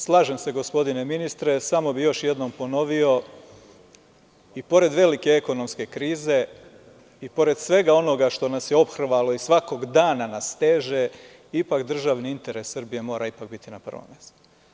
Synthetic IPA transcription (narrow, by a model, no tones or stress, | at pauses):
slˠaːʒe̞mse̞ɡo̞spo̞d̪ine̞minist̪ɾe̞samo̞bijo̞ʃje̞d̪no̞mpo̞no̞ʋio̞ | ipo̞ɾe̞d̪ʋe̞like̞eko̞no̞mske̞kɾiːze̞ | ipo̞ɾe̞d̪sʋe̞ɡao̞no̞ɡaʃt̪o̞nasjeo̞pxr̩ʋalo̞isʋako̞ɡd̪aːnanast̪eːʒe | ipakd̪r̩ʒaʋniint̪e̞ɾe̞sːɨrbije̞mo̞ːɾaipak̚bit̪inapɾ̩o̰o̰mezu̥